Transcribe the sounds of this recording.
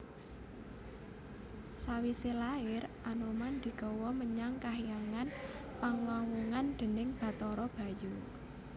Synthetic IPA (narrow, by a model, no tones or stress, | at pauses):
sawiselaɪr | anomand̪̥i̤ɡ̥ɔwɔməɲaŋkaɦijaŋan | paŋlawuŋand̪̥ə̤nɪŋb̥a̤t̪ɔɾɔb̥a̤ju